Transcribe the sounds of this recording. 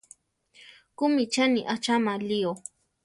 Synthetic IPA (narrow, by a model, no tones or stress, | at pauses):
kʊmɪt͡ʃaniʔat͡ʃamalio